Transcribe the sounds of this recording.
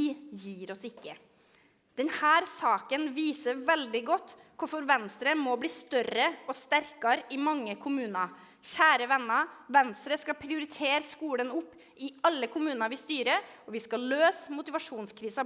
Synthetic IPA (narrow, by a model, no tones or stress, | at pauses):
ɪjiːɾɔsɪkːə | d̪̥ɛnhæːɾsɑːkənʋiːsəʋɛld̪ɪɡɔt̪ː | kʰʊfɔɾʋɛnst̪ɾəmɔbliːst̪œrəɔst̪æɾkɑɾɪmɑŋːəkʰʊmʉːnɑ | çæːɾəʋɛnːəʋɛnst̪ɾəskɑpʰɾɪʊɾɪt̪ʰeːɾskuːɽənʊpː | ɪɑlːəkʰʊmʉːnəʋɪst̪yːɾəɔʋɪskɑløːsmʊt̪ɪʋɑʂuːnskʰɾiːsɑ